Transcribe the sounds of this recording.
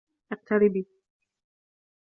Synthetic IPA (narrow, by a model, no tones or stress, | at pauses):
ʔɑq̚t̪ʰaɾɪbiː